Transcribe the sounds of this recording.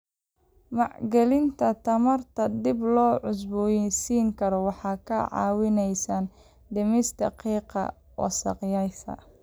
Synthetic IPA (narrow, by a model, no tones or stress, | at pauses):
mɑʕɡɛlɪnt̪ʰɐt̪ʰɐmɐrt̪ʰɐd̪ɪblɔːʕʊs̬bɔjɛsiːŋkʰɐɾɔwɑħɑːkʰɐʕɑ̰ːwɪnɛjsan | d̪ɐmɪst̪ɐ̰qiːqɑ̰ | wɑ̰sɑ̰qjɐjsɐ̰